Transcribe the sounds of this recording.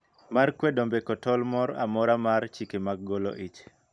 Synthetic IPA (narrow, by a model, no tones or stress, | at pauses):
markwɛdombekɔtɔlmɔɾa̰mɔɾamaɾt͡ʃikemaɡ̚ɡɔlo̰ʔit͡ʃ